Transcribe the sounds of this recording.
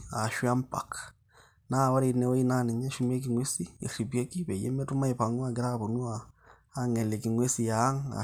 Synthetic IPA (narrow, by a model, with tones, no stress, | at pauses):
a˨ʃwa˦mpa̰˨k | na˦˨wa˦ɾi˨nɛ˦wo˦i˦na˦ni˨ɲa˦ʃu˦m˦e˦k̬i˨ŋwe˦si˦ḛ˨ɾi˨bje˦ki˦βe˨jḛ˦mɛ˦tu˦ma˦i˨pa˨ŋwa˦˨ɡɪ˦ɾa˦βo˨nu˦aː˨˦ | ŋɛ˨lɛ˨ki˨ŋwe˦si˨ja˦ŋa̰˨